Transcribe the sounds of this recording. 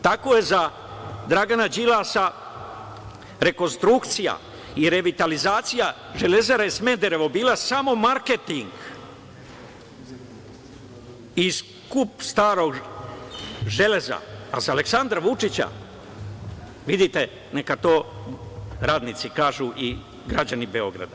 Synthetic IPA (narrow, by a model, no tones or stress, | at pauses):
t̪ako̞je̞za | d̪ɾaɡanad͡ʑilaːsa | ɾe̞ko̞nst̪ɾukt̪sija̰ | iɾe̞ʋit̪alizaːt̪sija | ʒe̞le̞zeɾajesmend̪eɾe̞ʋobiːlasamo̞maɾket̪iŋɡ | is | kupst̪aːɾo̞ɡ | ʒe̞le̞za̰ːsaleksand̪ɾaʋut͡ʃit͡ɕa̰ | ʋid̪it̪e̞ | nekat̪o̞ː | ɾaːd̪nit̪sikaːʒuʔi | ɡɾad͡ʑanibe̞o̞ɡɾa̰d̪a